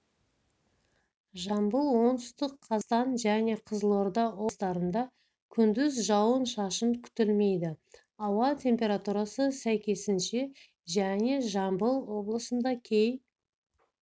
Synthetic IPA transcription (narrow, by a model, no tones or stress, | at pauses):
ʒɑmbəlˠwo̞nt̪ʏ̥st̪əqʰːɑzt̪ɑnʒæne̞qʰəzəlˠo̞ɾd̪ɑwo̞st̪ɑɾənd̪ɑ | kʲʰʏnd̪ɪzʒɑwənʃɑʃənkʲʰʏ̥t̪ɪlme̞jd̪ɪ | ɑwɑt̪ʲʰe̞mpʲe̞ɾat̪uɾɑsəsæjkʲe̞sɪnʃe̞ | ʒæne̞ʒɑmbəlˠwo̞blˠəsənd̪ɑkʲʰe̞j